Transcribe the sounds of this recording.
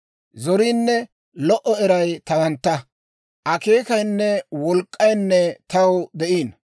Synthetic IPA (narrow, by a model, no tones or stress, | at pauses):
zɔɾiːnːɛ | lɔʔɔɛɾɐjt̪ɐwɐnt̪ːɐ | ʔɐke̞ːkɐjnːɛwɔlkʼːɐjnːɛt̪ɐwd̪ɛʔiːn